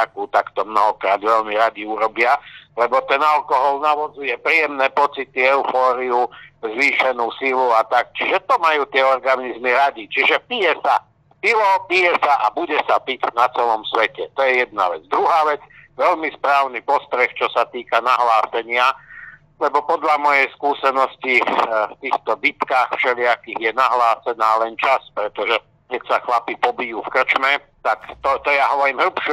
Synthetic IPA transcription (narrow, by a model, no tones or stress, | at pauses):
akuːt̪akt̪ɔmnɔɦɔkɾaːd̪ʋɛʎmiɾaɟiuɾɔbɪalɛbɔt̪ɛnalkɔɦɔlnaʋɔzd͡zujɛpɾiːjɛmnɛːpɔt͡sit̪iɛʊfɔːɾiuzʋiːʃɛnuːsiluat̪ak̚t͡ʃiʒɛt̪ɔmajuːt̪ɪɛɔɾɡanizmiɾaɟit͡ʃiʒɛpijɛsa | pilɔpijɛsaʔabuɟɛsapicnat͡sɛlɔmsʋɛcɛt̪ɔjɛjɛd̪̚na̰ʋɛd͡zd̪ɾuɦaːʋɛd͡zʋɛlmispɾaːʊnipɔst̪ɾɛxt͡ʃɔsat̪iːkanaɦlaːsɛɲɪa | lɛbɔpɔd̪ʎamɔjɛjskuːsɛnɔscift̪iːxt̪ɔbit̪kaːxfʃɛlɪakiɣjɛnaɦlaːsɛnaːlɛnt͡ʃaspɾɛt̪ɔʒɛ | kɛcsaxlapipɔbijuːfkr̩t͡ʃmɛ | t̪akt̪ɔt̪ɔjaɦɔʋɔɾiːmɦl̩pʃ